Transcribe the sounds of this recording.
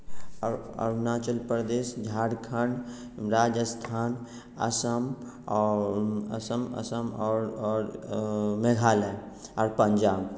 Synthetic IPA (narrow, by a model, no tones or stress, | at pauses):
ɔ̰naːt͡ʃəlpɾəd̪eːsd͡ʒʱaːɽkʰəɳɖ | ɾaːd͡ʒəst̪ʰaːn | ə̰səm | ɐ̰səmə̰səmɔːɾɾ | meɡʱaːle | ɔːɾpəɲd͡ʒaːb